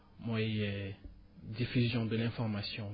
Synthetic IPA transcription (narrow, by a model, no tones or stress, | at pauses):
mwaijɛ | d̪ifyzjɔ̃d̪əlɛ̃fɔʁmasjɔ̃